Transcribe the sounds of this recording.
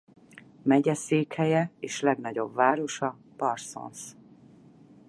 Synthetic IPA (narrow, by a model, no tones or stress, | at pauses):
mɛɟɛseːkhɛjɛeːʃlɛɡnɒɟo̞̰bvaːɾo̞ʃɒ | pɒrso̰ns